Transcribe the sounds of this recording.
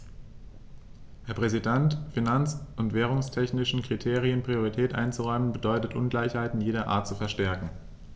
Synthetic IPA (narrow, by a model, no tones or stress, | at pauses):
hɛɐpʁ̥ɛzidɛntfinant͡sʊntv̥ɛːʁ̞ʊŋstʰɛçnɪʃn̩kʁ̥itʰeːʁ̞iənpʁ̥ioʁ̞itʰɛːtʔa̰ɪnt͡suʁɔʏmənbədɔʏtətʔʊnɡlaɪçhaɪtn̩jeːdɐʔa̰ːɐtt͡sufɛɐʃtɛɐkŋ̩